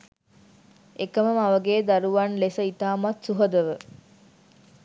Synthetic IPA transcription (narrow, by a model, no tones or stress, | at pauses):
ekəməmaʋəɡeːd̪aɾuʋanlesəit̪aːmat̪suɦəd̪əʋə